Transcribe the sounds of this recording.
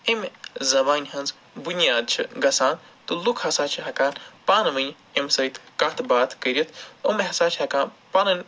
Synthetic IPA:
emzɐbaːnʲɦɐnz | bunʲjaːd̪̚t͡ʃʰɨɡɐsaːn | t̪ɨlukʰhɐsaːt͡ʃʰiɦɐkaːnpaːnɐmɐnʲ | emsɐjt̪ʰkɐt̪ʰbaːt̪ʰkəɾʲɐt̪ʰumɐɦɐsaːt͡ʃʰhɐkaːnpanɐnʲ

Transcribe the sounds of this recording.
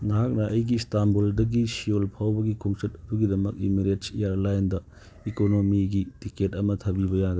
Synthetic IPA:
nɐɦak̚nɐʔɐjɡistamboldɐɡisijolpʰawbɐɡikʰoŋsɐt̚ɐduɡidɐmɐk̚imiɾetsijaɾlajndɐ | ikonomiɡitiketɐmɐtʰɐbibɐjaɡɐ

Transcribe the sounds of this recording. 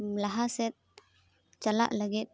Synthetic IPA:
mlaɦasɛt̪̚ | t͡ʃala̰ʔlaɡit̪̚

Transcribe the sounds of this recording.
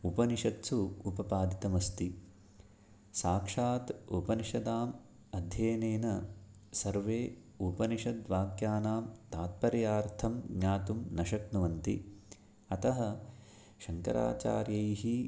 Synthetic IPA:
upɐniʃɐt̪suupɐpaːd̪it̪ɐmɐst̪i | saːkʂaːt̪upɐniʃɐd̪aːm | ɐd̪ʱjeːneːnɐ | sɐɾʋeː | upɐniʃɐd̪ʋaːɡjaːnaːmt̪aːt̪̚pɐɾjaːɾt̪ʰɐmɡɲaːt̪umnɐʃɐknuʋɐnt̪i | ɐt̪ɐɦɐ | ʃɐŋkɐ̰ɾa̰ːt͡ʃa̰ːɾjɐjiɦi

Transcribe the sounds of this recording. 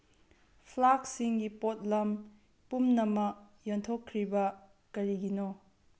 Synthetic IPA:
pʰlak̚siŋɡipot̚lɐm | pumnɐmɐk̚jontʰokʰːɾibɐ | kɐɾiɡino

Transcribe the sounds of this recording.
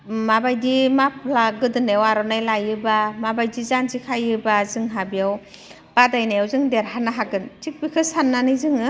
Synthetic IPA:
mabajdimapʰlaɡɯdɯnewaɾɔnajlajɯbamabajdizanzikʰajɯbazɯŋɦabijaw | b̥adajnajawzɯŋdeɾɦanaɦaɡɯntik̚bikʰɯsanːanɯjzɯŋɯ

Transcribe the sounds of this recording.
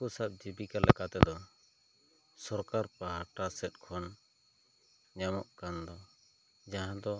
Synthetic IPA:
kusap̚d͡ʒibikalɛkat̪ɛd̪ɔ | sɔɾkaɾpaɦaʈasɛt̪̚ˀkʰɔn | ɲamɔʔkand̪ɔ | d͡ʒaɦãd̪ɔ

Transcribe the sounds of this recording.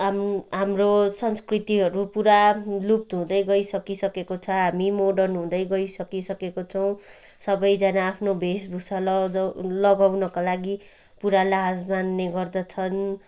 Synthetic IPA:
amɦamrosʌnskrit̪iɦʌɾupuɾalup̚t̪ɦũd̪ʌjɡʌisʌkisʌkekot͡sʰʌɦamimoɖʌnɦũd̪ʌjɡʌisʌkisʌkekot͡sʰʌw̃ | sʌbʌjd͡zanaːpʰnobʱesbʱusal | lʌɡawnʌkalaɡi | puɾalaɦd͡zmanːeɡʌrd̪ʌt͡sʰʌn

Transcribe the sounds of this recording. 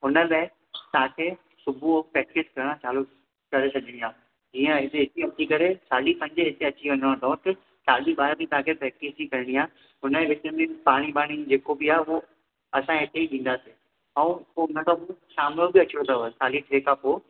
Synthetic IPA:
ɦʊnəlẽ | t̪ãkʰe | sʊbʱuopɛːkɪskɐɾɽ̃ãt͡ɕaːlo | kɐɾesɐʄəɽ̃iaː | d͡ʑiːə̃ɪt̪eɦɪt̪iɐt̪ʰikɐɾesaːlipɐ̃ɲd͡ʑeɦɪt̪ʰeɐt͡ɕiʋɐ̃nd̪ə̃t̪aõt̪ɐ | saːɗiɓaːɾt̪ĩt̪ɐ̃ãkʰepɾɛːk̚isikɐɾɪɽ̃iaː | ɦʊnəʋɪt͡ɕəmẽpaːɽ̃ibaːɽ̃id͡ʑeːkobiaːɦeo | ɐsãɦɪt̪ʰeiɗ̪ĩːn̆d̪aseː | ɐ̃ũpoɦʊnəkʰãposaːmlobɪɐt͡ɕõt̪aɦosaːliʈʰeːkapoː

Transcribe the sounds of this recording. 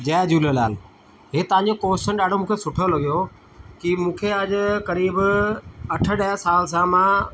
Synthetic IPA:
d͡ʑɛːd͡ʑuːləlaːl | ɦeːt̪əʋãːɲd͡ʑokoːsənɗaːɖ̤ʱomũːkʰesʊʈʰəlɦʊijo | kimũːkʰeɐd͡ʑkɐɾiːb | ɐʈʰə̆ɗɐɦəsaːls̬ãmãː

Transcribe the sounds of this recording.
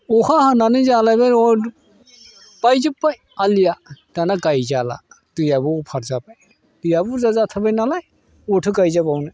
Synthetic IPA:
ɔhahananɯzalabaɔ | pajzɯpːaj | alijatanakajzala̰tɯjabɔpʰaɾzapaj | tɯjabuzazat̪ʰabajnalaj | ɔtʰɯkajzabawnaj

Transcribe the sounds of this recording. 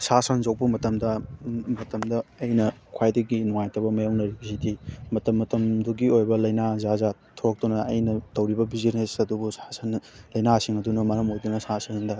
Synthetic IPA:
sasɐnzawpɐmɐtɐmdɐmɐtɐmdɐːjnɐkʰwajdɐɡinuŋajtɐbɐmɐjawnɐɾiɡisidimɐtɐmːɐtɐmduɡiojbɐlɐjnazazatʰoɾɐk̚tunɐːjnɐtɐwɾibɐbiziɾnesɐdubusasɐnlɐjnasiŋɐdunɐmɐɾɐmojdunɐsasɐnndɐ

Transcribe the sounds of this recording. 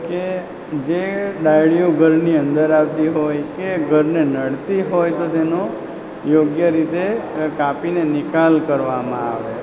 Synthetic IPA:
ke | d͡ʒeɖajɭjoɡʱəɾniə̃nd̪əɾaʋt̪iɦojkeɡʱəɾnenəɽt̪iɦojt̪ot̪eno | joɡjəɾit̪ekapinenɪkalkəɾʋamãaʋe

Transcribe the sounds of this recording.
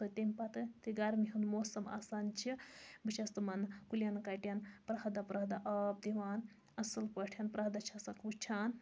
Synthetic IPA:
ɐt̪emʲpɐt̪ɨt̪iɡɐɾmiɦunmoːsɐma̰ːsaːnt͡ʃʰibɨt͡ʃʰɐst̪umɐnkulʲjɐnkɐʈjɐnpɾɐɦɐd̪apɾɐɦd̪aʔɐp̚d̪iʋaːn | ɐsɐlpɐʈʰʲjɐnpɾɐɦd̪at͡ʃʰɐsɐkʰut͡ʃʰaːn

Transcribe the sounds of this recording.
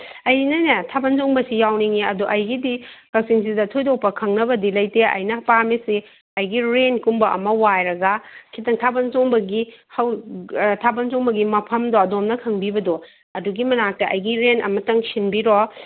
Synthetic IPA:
ɐjnɐnetʰabɐnzoŋbɐsijawniŋiɐduʔɐjɡidikɐksiŋs̬idɐtʰojdok̚pɐkʰɐŋnɐbɐdilɐjteɐ̰jnɐpamisi | ɐjɡiɾenkumbɐʔɐ̰mɐwajɾɐɡɐkʰitɐŋtʰabɐnzoŋbɐɡihɐwtʰabɐnzoŋbɐɡimɐpʰɐmdɔɐdomnɐkʰɐŋbibɐdɔ | ɐduɡimɐnak̚tɐʔɐjɡiɾenʔɐ̰mɐtɐŋsinbiɾɔ

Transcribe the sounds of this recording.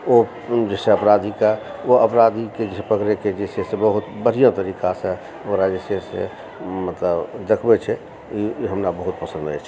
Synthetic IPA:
o | d͡ʒesẽəpɾad̪ikaoəpɾad̪iked͡ʒepəkɾeked͡ʒesesẽbəɦut̪bəɾ̤ijãt̪əɾikasẽ | oɾad͡ʒesesḛ | mət̪ləbd̪əkʰbet͡ʃʰɛ | iɦəmnabəɦut̪̚pəsə̃nd̪a̰t͡ʃʰɛ

